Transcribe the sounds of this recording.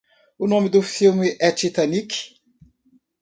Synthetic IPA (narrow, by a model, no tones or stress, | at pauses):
unõmid̪ʊfilmiʔɛt͡ʃit̪anik